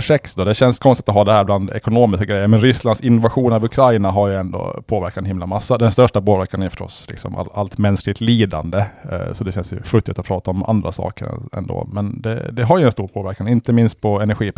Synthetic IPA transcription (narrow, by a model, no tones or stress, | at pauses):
ʂɛksd̪od̪ɛɕɛnskʰɔnst̪ɪt̪ɔɦaːd̪ɛhæːɾbland̪ɛ̰kʊnoːmɪskaɡɾɛjːəɾmɛnɾʏsland̪sɪnːʊvaɧuːnavɵkʰɾajnaɦaɾjɵɛnd̪o̰ːpʰoːvæɾkat̪ɛnhɪmlamasːad̪ɛnst̪œʂʈapoːvæɾkanjfœ̥ʂʈɔ̰slɪ̰ksɔ̰ma̰la̰lt̪mɛnsklɪɡ̚t̪liːd̪a̰nd̪əsɔd̪ɛɕɛnsjɵ̰fɵt̪ːɪt̪ːɔpʰɾɑːt̪aɔmʔa̰nd̪ɾa̰sɑ̰ːkə̰ɾ̰ɛ̰nd̪o̰ːmɛnd̪ɛ̰d̪ɛɦaɾjɵɛnst̪uːɾpʰoːvæɾkanɪnt̪əmɪnst̪̚pʰɔɛnæɾɧiː